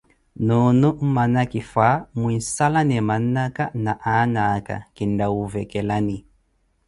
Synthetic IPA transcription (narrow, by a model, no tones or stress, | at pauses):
nunum̩manakifamuinsalanɛmanːakanaʔanaka̰kindauvɛkɛlani